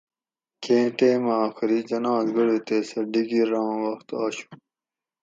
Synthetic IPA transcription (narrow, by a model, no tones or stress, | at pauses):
kʰẽːʈeːmaːxiɾid͡ʑɐnãːzɡɐɽet̪eːsɐɖiɡiɾãːwɐxt̪aːɕu̥